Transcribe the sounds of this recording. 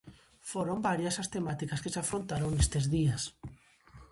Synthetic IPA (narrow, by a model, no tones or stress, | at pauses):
foɾombaɾjɐsast̪emat̪ikaskɪsafɾont̪aɾoŋnest̪ezðias